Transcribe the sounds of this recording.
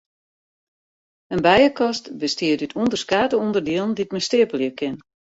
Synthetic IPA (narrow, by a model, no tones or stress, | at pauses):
ənbɛjəkɔstbəstɪətytʰuəndərskaːtəundərdiəlˠnditməstɪəpəljəkʰɪn